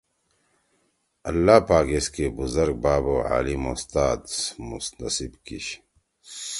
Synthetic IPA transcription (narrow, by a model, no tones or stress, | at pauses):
ɐlːaːpaːkeskeːbuzɐɾɡ̚baːboːʕa̰ːlimost̪aːd̪smusnɐsibkḭɕ